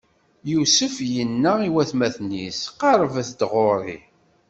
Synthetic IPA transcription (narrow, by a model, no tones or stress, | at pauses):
jusəfjənːæiwæθmæθnisqɑɾˤvæθd̪ʁoɾˤḭ